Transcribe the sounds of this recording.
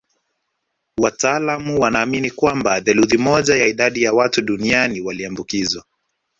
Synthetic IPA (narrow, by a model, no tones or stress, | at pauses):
wataaːlamuwanaːminikwambaðɛluðimɔʄajaiɗaɗijawatuɗunianiwaliambukizwa